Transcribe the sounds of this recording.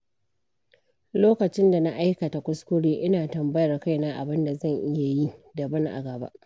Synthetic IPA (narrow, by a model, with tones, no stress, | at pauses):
loː˦kɐ˨t͡ʃɪ˦nda˨na˦ʔa˦jkɐ˨ta˨kʷʊ˦skʷʊ˦ɽeː˦ʔɪ˦naː˨tɐ˨mbɐ˦jɐ˨rka˦jnaː˦ʔa̰˨bɪ˦nda˨zɐ˦˨ŋʔɪ˦ja˨ji˦dɐ˨bɐ˦ŋʔa̰˨ɡɐ˨ba̰˦ʔ